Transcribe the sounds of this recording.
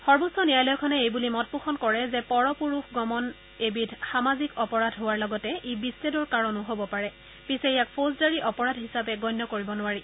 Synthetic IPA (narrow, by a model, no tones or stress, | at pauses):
xɔɹbusɔnijajlɔjkʰɔnɛejbulimɔt̚puxɔnkɔɹɛzɛpɔɹɔpuɹuxɡɔmɔn | ebidʰʱxamazikɔpɔɹadʱɦʊwaɹlɔɡɔtɛʔebisːedɔɹkaɹɔnʊɦobɔpaɹɛ | pisejak̚pʰozdaɹiʔɔpɔɹadʱɦisapɛɡɔjnːɔkoɹibɔnʊwaɹi